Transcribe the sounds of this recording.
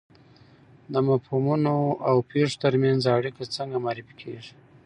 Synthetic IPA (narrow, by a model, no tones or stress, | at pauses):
d̪əmapomunoawpeʂo̥t̪əɾmjanzaɽikat͡səŋɡamɑɾifikʰḛʐi̥